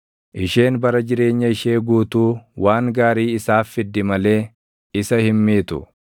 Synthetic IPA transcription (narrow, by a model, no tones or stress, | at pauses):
ʔɪʃe̞ːnbɐɾɐd͡ʒɪɾe̞ːɲːɐɪʃe̞ːɡuːt̪uːwaːŋɡaːɾiːɪsaːfːɪd̪ːɪmɐle̞ː | ɪsɐhɪmːiːt̪ʊ̰